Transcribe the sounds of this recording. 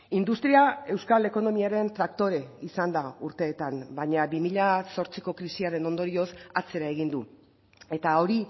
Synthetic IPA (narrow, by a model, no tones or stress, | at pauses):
ind̪ust̪ɾiae̞wskale̞ko̞no̞miaɾe̞nt̪ɾak̚t̪o̞ɾe̞isand̪auɾt̪e̞ːt̪ambaɲabimiʎaso̞ɾt͡siko̞kɾisiaɾe̞no̞nd̪o̞ɾio̞sat͡se̞ɾae̞ɣ̞ind̪u | e̞t̪ao̞ɾi